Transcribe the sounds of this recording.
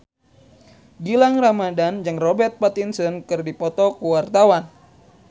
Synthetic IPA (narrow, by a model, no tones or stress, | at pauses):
ɡilaŋramadand͡ʒɨŋrɔbɛrt̪̚pat̪insɔnkɨrdipɔt̪ɔkuwart̪awan